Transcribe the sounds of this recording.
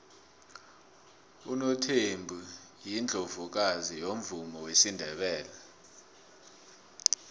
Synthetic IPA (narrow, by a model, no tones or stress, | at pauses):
unotʰembʱujind͡ɮʱovuk̬azijom̩vumɔwesindʱɛɓɛːlɛ